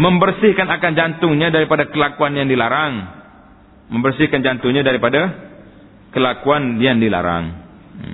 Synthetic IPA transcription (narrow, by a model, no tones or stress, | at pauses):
məmbərsɪhkanakand͡ʒant̪ʊŋɲadaɾipadakəlakuanjaŋdilaɾaŋ | məmbərsɪhkand͡ʒant̪ʊŋɲadaɾipada | kəlakuanjaŋdila̰ɾa̰ŋ